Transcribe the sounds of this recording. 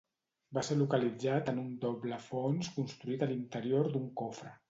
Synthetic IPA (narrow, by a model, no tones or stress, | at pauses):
baselukəlid͡zat̪ənund̪ɔbləfonskunst̪ɾuit̪əlint̪əɾioɾd̪uŋkofɾə